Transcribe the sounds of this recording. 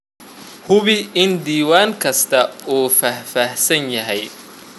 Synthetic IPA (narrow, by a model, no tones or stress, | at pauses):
hʊβɪɪnd̪iːwaːŋkʰɐst̪ʰɐuːfɐhfahsɐnjɐɦɛj